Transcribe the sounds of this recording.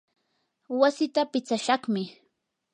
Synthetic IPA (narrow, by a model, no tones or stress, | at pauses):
wasɪt̪apɪt͡saʃɑχmɪ